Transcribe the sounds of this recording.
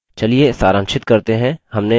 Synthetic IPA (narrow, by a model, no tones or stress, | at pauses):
t͡ʃɐliesaːɾə̃ŋʃɪt̪̚kɐɾt̪eɦɛ̃hɐmne